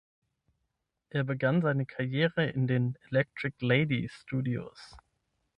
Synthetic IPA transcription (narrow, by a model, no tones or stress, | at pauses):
ʔeːɐbəɡanzaɪnəkʰaɐjeːʁəɪndeːnelɛk̚tʁ̥ɪkleɪdistuːdio̰s